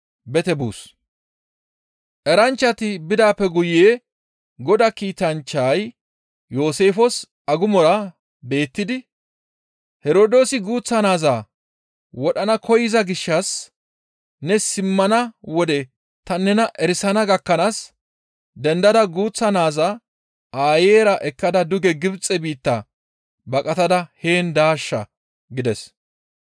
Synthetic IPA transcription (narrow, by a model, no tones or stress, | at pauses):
bɛt̪ɛbṵːs | ʔɛɾɐnt͡ʃːɐt̪ɪbɪd̪aːpːɛɡʊjeː | ɡɔd̪akiːt̪ɐnt͡ʃːaj | jo̞ːse̞ːfɔs | ɐɡʊmɔɾɐ | be̞ːt̪ːɪd̪ɪ | hɛɾoːd̪o̞ːsɪɡuːt͡sːɐnaːzaː | wɔɗɐnɐkʰɔjɪzɐɡɪʃːɐs | nɛsɪmːɐnɐwɔd̪ɛ | t̪ɐnːɛnɐʔɛɾɪsɐnɐɡɐkːɐnaːs | d̪ɛnd̪ɐd̪ɐɡuːt͡sːɐnaːzaː | aːjeːɾɐʔɛkːɐd̪ɐd̪ʊɡɛɡɪbt͡sʼːɛbiːt̪ːaː | bɐkʼɐt̪ɐd̪ɐhe̞ːnd̪aːʃːɐ̰ | ɡɪd̪ɛs